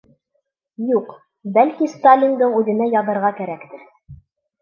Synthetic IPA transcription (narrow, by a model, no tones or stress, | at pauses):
juq | bælkist̪alʲːind̪ɤɴʉðɘ̆næjɑðɤ̆ɾʁɑkæɾækt̪ɘɾ